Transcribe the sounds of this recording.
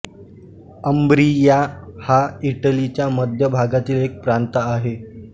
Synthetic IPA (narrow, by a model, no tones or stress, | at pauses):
əmbɾijahaiʈəlit͡ɕjaməd̪ʱjəbʱaɡat̪iːlek̚pɾant̪əːɦe